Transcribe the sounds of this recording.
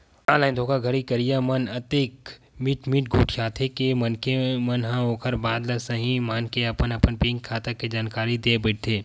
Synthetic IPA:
aːlaːɪnd̪ʱoːkʰaɡʱɐɾikɐɾijamɐnɐt̪eːk | mɪʈmɪʈ̚ɡʱuːʈʰjaːt̪ʰekemɐnkemɐnɦãoːkʰəɾbaːd̪lɐsɐɦĩmaːnkeɐpənɐpənpɪ̃ŋkʰːaːt̪aked͡ʒaːnkaːɾid̪eːbɪʈ̚t̪ʰeː

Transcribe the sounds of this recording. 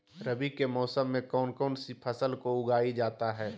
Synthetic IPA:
ɾəbikemɔːsəmːẽkɔːnkɔːnsipʰəsəlkoʊɡaːid͡ʒaːt̪aɦɛː

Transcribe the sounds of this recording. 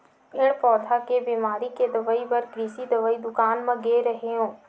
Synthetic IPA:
ɪɽ̃pɔːt̪ʰakebiːmaːɾiked̪ɐʋəibɐɾkɾiːsid̪ɐʋəid̪ʊkaːnmɐ̃ɡeːɾəɦeõː

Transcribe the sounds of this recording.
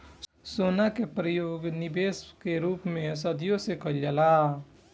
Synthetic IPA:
soːnakepɾəjoːɡnɪbeːskeɾuːpmẽs̬əd̪ijõsekəd͡ʒəla

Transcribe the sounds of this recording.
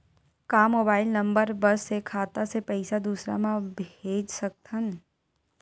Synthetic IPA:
kaːmoːbaːɪlnɐ̃mbəɾbɐsːekʰaːt̪asepɛɪsad̪uːsɾa̰mãbʱeːd͡ʒsɐk̚t̪ʰən

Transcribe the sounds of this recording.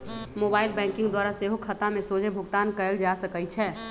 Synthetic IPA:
moːbaːɪlbɛ̃ːŋkɪ̃ŋɡd̪waːɾaseɦokʰət̪ãmẽsoːd͡ʒʱebʱʊɡt̪aːnkəəld͡ʒaːsəkəit͡ʃʰɛː

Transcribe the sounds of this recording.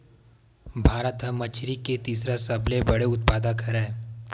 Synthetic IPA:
bʱaːɾət̪ɦə̃mːɐt͡ʃʰɾiket̪iːsɾasɐblebɐɽeʊt̪̚paːd̪akʰɐɾe

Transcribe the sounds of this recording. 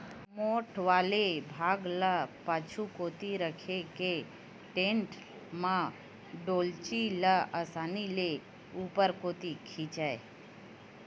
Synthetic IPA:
moːʈʰʋaːlebʱaːɡlapaːt͡ʃʰukoːt̪iɾəkʰeke | ʈẽɳʈ | mã | ɖoːlt͡ʃiləʔəsaːnile | uːpəɾkoːt̪ikʰit͡ʃae

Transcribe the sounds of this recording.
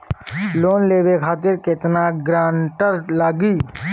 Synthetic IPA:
loːnleːʋekʰaːt̪ɪɾkɪt̪naɡɾãːɳʈəɾlaːɡiː

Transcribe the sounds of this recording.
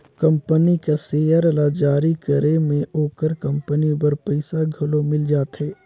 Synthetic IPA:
kɐ̃mpənikaseːjəɾəlad͡ʒaːɾikəɾemẽʔoːkəɾkɐ̃mpənibəɾpəɪsaɡʱɐlomɪld͡ʒaːt̪ɦɛː

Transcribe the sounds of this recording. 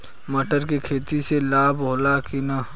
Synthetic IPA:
mɐʈəɾkikʰeːt̪iselaːbɦoːlakinaː

